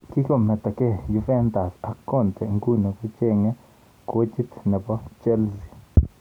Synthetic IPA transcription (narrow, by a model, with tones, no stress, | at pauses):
ki˦ɡo˦me˨t̪a˨ke˦ju˧fe˦nd̪a˨sa˨kːo˦nt̪e˨ŋɡu˦no˨ɡu˦t͡ʃe˦ŋe˦ | ku˦t͡ʃi˦t̪ne˨bo˦t͡ʃe˦lsi˨